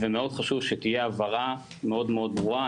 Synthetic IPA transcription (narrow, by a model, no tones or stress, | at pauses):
vemeo̞d̪χaʃuvʃet̪ijeavaʁa | me̞o̞d̪me̞o̞d̪̚bʁua